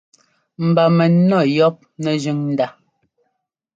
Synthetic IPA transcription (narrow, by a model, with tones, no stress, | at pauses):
m̩˨ba˨mɛ˨nɔ˦˨jɔ˦p̚nɛ˨d͡ʒʉ˦ŋn̩˨da˦˨